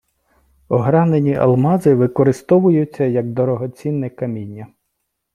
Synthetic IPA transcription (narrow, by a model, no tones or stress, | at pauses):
ɔɦɾɑnenʲiʔɐ̰lˠmɑzɪʋɪkɔɾɪst̪ɔʋʊjʊt͡sʲːɐjɐɡd̪ɔɾɔɦɔt͡sʲinːɛkɐmʲinʲːɐ